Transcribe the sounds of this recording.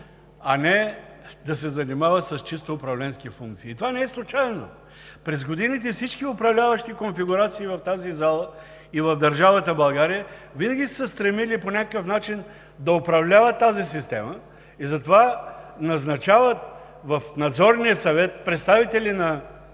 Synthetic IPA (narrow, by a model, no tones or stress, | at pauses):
ɐnɛ | d̪ɐsɛzɐnimavəsɐst͡ʃist̪oːpɾɐvlɛnskifuŋk̚t̪siːt̪ovanɛɛslˠut͡ʃajɛno | pɾɛzɡod̪init̪ɛfsit͡ʃkiʊpɾɐvlʲavəʃt̪ikonfiɡʊɾat̪siːvɐft̪azizalˠə | ivɐvd̪ɐɾʒavət̪əbɐlˠɡaɾijəvinəɡʲisəst̪ɾɛmiliponʲakəkəfnat͡ʃin | d̪ɐʊpɾɐvlʲavət̪ːazisist̪ɛmə | izɐt̪ovanɐznɐt͡ʃavət̪ | vɐfnɐd̪zɔɾnijəsɐvɛt̪̚pɾɛt̪st̪avit̪ɛlinɐ